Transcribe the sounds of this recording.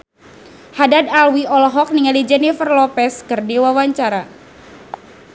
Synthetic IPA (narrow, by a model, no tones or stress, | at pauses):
hadadalwiɔlɔɦɔk̚niŋalid͡ʒɛnifərlɔpɛskɨrdiwawaɲt͡ʃaɾa